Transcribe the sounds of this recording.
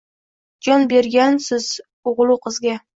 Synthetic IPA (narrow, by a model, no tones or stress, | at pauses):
d͡ʒɒnbe̞ɾɡʲansɪz | ʊʁlˠuqʰɨzɡʲa